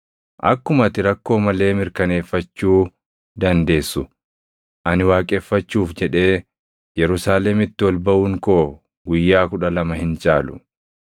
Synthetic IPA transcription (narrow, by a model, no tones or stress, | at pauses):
ʔɐ̰kːʊmɐt̪ɪɾɐkːo̞ːmɐle̞ːmɪɾkɐne̞ːfːɐt͡ʃːuː | d̪ɐnd̪e̞ːsːʊ | ʔɐnɪwaːkʼeːfːɐt͡ʃːuːfd͡ʒɛᶑe̞ː | jɛɾʊsaːlɛmɪt̪ːɪwɔlbɐʔuːŋko̞ː | ɡʊjːaːkʊᶑɐlɐmɐhɪnt͡ʃʼaːlʊ̥̰